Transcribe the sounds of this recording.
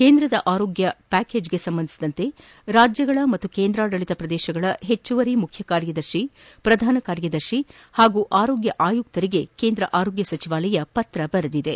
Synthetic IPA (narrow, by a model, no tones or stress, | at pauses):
keːnd̪ɾɐd̪ɐʔaːɾoːɡjɐpæːke̞ːd͡ʒɡe̞sɐmbɐnd̪isid̪ɐnt̪e̞ | ɾaːd͡ʒjɐɡɐɭɐmɐt̪ːukeːnd̪ɾaːɽɐɭit̪ɐpɾɐd̪ɛːʃɐɡɐɭɐɦet͡ʃːuʋɐɾimukʰjɐkaːɾjɐd̪ɐɾʃi | pɾɐd̪ʱaːnɐkaːɾjɐd̪ɐɾʃi | haːɡuːʔaːɾo̞ːɡjɐʔaːjuk̚t̪ɐɾiɡe̞keːnd̪ɾɐʔaːɾoːɡjɐsɐt͡ʃiʋaːlɐjɐpɐt̪ɾɐbɐɾɐd̪id̪e̞